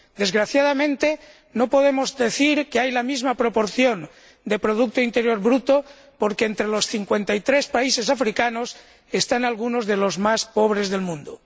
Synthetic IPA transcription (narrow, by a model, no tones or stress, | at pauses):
d̪e̞zɣɾaθjað̞amẽ̞nt̪e | nopo̞ðemozðe̞θiɾkeajlamizmapɾo̞po̞ɾθjo̞n | d̪epɾoð̞uk̚t̪oint̪e̞ɾjo̞ɾβɾut̪o | poɾkeent̪ɾelo̞sθiŋkwe̞nt̪ajt̪ɾespaise̞safɾikanos | est̪analɣuno̞zðelo̞zmaspoβ̞ɾezðe̞lmũnd̪o